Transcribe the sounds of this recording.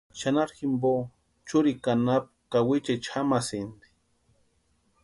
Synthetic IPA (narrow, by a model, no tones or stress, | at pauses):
ʃanaɾximbo | t͡ʃʊɾikanap̚kawit͡ʃat͡ʃʰamasind̪i̥